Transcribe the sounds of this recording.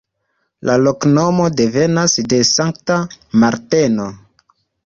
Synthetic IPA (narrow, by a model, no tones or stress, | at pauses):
lʔalo̞kno̞mo̞de̞ve̞nasde̞saŋktamaɾteno̞